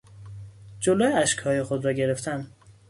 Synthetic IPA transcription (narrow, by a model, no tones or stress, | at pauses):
d͡ʒoloːjeæʃkhɒːje̞xod̪ɾɒːɟeɾe̞ft̪ʰæn